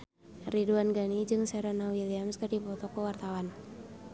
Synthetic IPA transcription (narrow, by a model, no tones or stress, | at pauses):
riduanɡanid͡ʒɨŋsɛɾanawiliamskərdipɔt̪ɔkɔwart̪awan